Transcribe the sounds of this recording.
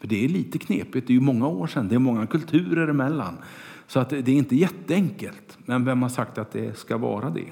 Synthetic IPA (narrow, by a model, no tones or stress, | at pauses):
fœɖɛæɭiːt̪əkʰnḛːpɪt̪d̪ɛɾjɵmɔŋːaoːʂɛnd̪ɛːɾmɔŋːakɵlt̪ʰʉ̟ːɾəɾɪmɛlːa̰n | sɔat̪d̪ɛæɾɪnt̪əjɛt̪ːəɛŋkəlt̪ | mɛnvɛmhaʂakt̪at̪̚d̪ɛskavɑ̰ːɾad̪ɛ̰